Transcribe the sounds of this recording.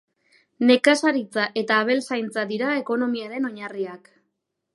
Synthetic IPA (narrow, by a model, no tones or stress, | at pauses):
ne̞kasaɾit͡saʔe̞t̪aːβ̞e̞lsajnt͡sad̪iɾaeko̞no̞miaɾe̞no̞ɲariak